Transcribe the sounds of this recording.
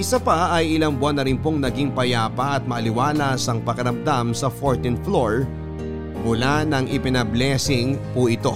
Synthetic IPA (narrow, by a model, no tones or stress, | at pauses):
ʔɪsapɐɐjɪlɐŋbʊanːɐɾɪnpoŋnɐɡiŋpɐjaːpɐʔɐt̪̚mɐʔɐlɪwaːlɐsɐŋpɐkɐɾɐmd̪amsɐfoɹt̪ɪnfloɹ | mʊlanɐŋʔɪpɪnɐblɛsɪŋpʊʔɪt̪o̞